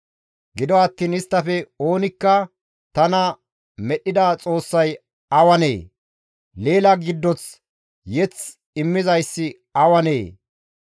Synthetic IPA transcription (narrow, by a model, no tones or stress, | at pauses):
ɡɪd̪ɔɐt̪ːiːnɪst̪ːɐfɛo̞ːnɪkːɐ | t̪ɐnɐ | mɛɗɪd̪at͡sʼo̞ːsːɐj | ɐwɐnḛː | le̞ːlɐɡɪd̪ːɔt͡s | jɛt͡s | ɪmːɪzɐjsːɪ | ɐwɐnḛː